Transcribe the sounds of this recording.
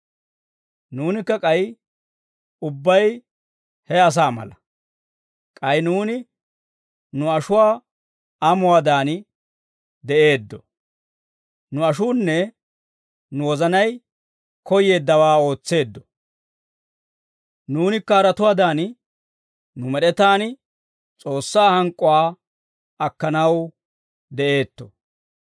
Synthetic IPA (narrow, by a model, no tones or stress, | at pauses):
nuːnɪkːɐkʼɐj | ʊbːɐj | hɛɐs̬aːmɐ̰lɐ | kʼɐjnuːnɪ | nʊɐʃʊwaː | ɐmʊwaːd̪aːn | d̪ɛʔe̞ːd̪ːɔ | nʊɐʃuːnːɛ | nʊwɔzɐnɐj | kɔje̞ːd̪ːɐwaːo̞ːt͡sːe̞ːd̪ːɔ | nuːnɪkːɐːɾɐt̪ʊwaːd̪aːn | nʊmɛɗɛt̪aːn | t͡sʼo̞ːsːaːhɐŋkʼːʊwaː | ɐkːɐnɐw | d̪ɛʔe̞ːt̪ːɔ̥